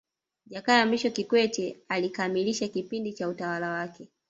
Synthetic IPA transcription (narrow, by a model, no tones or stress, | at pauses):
ʄakaamiʃɔkikwɛtɛalikamiliʃakipindit͡ʃautawalawakɛ